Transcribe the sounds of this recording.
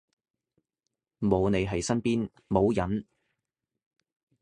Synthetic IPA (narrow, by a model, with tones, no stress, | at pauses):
mo˨˧wne˨˧ɦɐ˨jsɐ˥npiː˥n | mo˨˧wjɐ˨˥n